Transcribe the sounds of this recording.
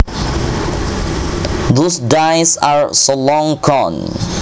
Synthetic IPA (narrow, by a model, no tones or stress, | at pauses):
ðosdajsaɹsolɔ̃ŋkʰɔn